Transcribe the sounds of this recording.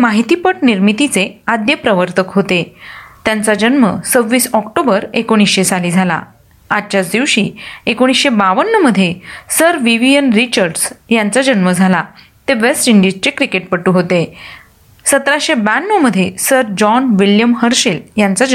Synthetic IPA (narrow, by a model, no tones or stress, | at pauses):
maɦit̪iːpəʈniɾmit̪it͡sead̪jəpɾəʋəɾt̪əkɦot̪et̪jant͡sad͡ʑənməsəʋːiːsɔkʈobəɾekoɽ̃isɕet͡saliːd͡zʱala̰ | at͡ɕjat͡sd̪iʋɕiːekoɽ̃isɕebaʋənːəməd̪ʱːjesəɾʋiʋijənɾit͡ɕəɾɖsjant͡sad͡ʑənməd͡zʱala | t̪eʋesʈiɳɖid͡ʑt͡ɕekɾikeʈ̚pəʈːuɦot̪e | sət̪ɾaɕebænːəməd̪ʱːjesəɾd͡ʑɔnʋiljəmhəɾɕeljant͡sa